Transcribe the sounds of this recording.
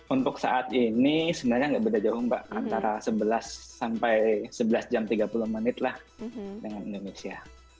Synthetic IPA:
unt̪ʊksa̰ʔat̪inisəminaɲaŋɡaʔbədad͡ʒaɦʊŋba̰ʔa̰nt̪aɾasəbəlasːampajsəbəlasd͡ʒamt̪iɡapulʊhmənɪt̪lah | dəŋanindonesia

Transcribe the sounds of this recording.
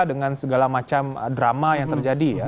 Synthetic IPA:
dəŋansəɡalamat͡ʃamə̰dɾamajaŋt̪ərd͡ʒadija

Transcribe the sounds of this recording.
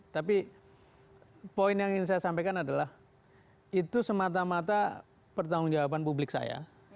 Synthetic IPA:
t̪api | poɪnjaŋŋs̬ajasampajkanadalah | it̪usəmat̪̬amat̪a | pərt̪aŋʊŋd͡ʒawapanpublɪksa̰ja̰

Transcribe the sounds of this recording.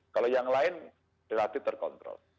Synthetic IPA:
kalojaŋlaɪn | ɾelat̪ɪt̪ərkɔnt̪ɾɔ̰l

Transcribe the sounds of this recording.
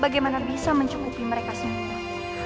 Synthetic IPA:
baɡajmanabisaməɲt͡ʃukupiməɾekasəmuta

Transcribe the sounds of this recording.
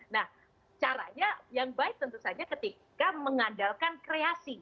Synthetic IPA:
nah | t͡ʃaɾa̰ɲajaŋbaɪk̚t̪ənt̪usad͡ʒakət̪ikkaməŋadalkankɾeasi

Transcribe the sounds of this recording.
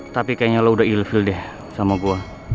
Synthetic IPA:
t̪apikajaɲaloudailfɪldɛh | samaɡua

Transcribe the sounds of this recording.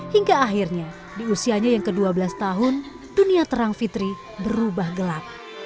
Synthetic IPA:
hiŋɡaːɦirɲa | diusiaɲajaŋkəduabəlast̪aɦʊn | duniat̪əɾaŋfit̪ɾi | bəɾubahɡəlak̚

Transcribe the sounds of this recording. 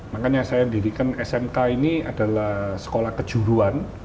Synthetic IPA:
makanɲasajadiɾikanɛsɛmkainiada̤lahsə̥kolahkə̥d͡ʒ̥uɾuan

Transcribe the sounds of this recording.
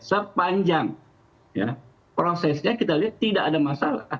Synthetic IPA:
səpaɲd͡ʒaŋ | ja̰ | pɾosɛsɲakit̪aliat̪ːidaʔːdamasala̰

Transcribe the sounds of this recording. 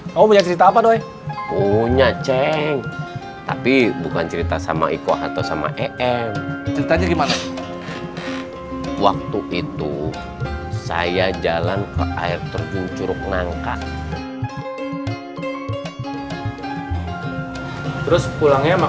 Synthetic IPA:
aumaɲak̚t͡ʃəɾit̪aːpadoɛ | kuɲat͡ʃɛŋ | t̪a̰pibukant͡ʃəɾit̪asama̰ikoɦat̪ausama̰ʔɛʔɛŋt͡ʃəɾit̪aɲaɡimana | wak̚t̪uʔit̪u | sa̰jad͡ʒalankəʔa̰ɪrt̪ərd͡ʒuɲt͡ʃuɾʊk̚naŋkaʔ | t̪əɾʊspulaŋɲam

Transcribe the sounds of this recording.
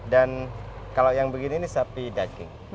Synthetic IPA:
dankalawjaŋbəɡiniːnisapidaɡɪŋ

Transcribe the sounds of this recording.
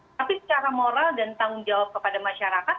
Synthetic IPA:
t̪apisə̥t͡ʃaɾamoɾaldant̪aŋʊnd͡ʒawap̚kəpadamaʃaɾakat̪

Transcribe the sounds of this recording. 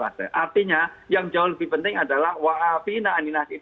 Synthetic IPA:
a̰sə̰ʔart̪iɲajaŋd͡ʒaʊhləbɪhpənt̪ɪŋadalahwaʔafinaːninasit̪

